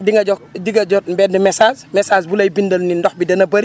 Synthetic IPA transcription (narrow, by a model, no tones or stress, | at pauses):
diŋɡɐd͡ʒɔdiɡɐd͡ʒɔtbɛːndɛmɛsaːsmɛsaːsbulɐjbindɐlnindɔxbidɐnɐbɐɾi